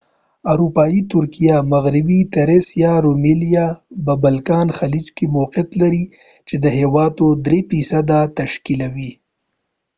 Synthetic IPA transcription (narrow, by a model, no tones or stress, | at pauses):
aɾupɑjit̪ʊɾkijamaɣɾɪbit̪eɾesjɑɾomilijababalkɑnxalid͡ʒkimoqɪt̪laɾi | t͡ʃed̪əɦewɑt̪od̪ɾefisad̪at̪aʃkilawi